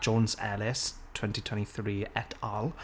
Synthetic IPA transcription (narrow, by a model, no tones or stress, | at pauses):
d͡ʒɔ̃nzɛ̰lɪs | tʰw̥ɛ̃ntitʰwɛ̃ntiθɹiːɛtʰalˠ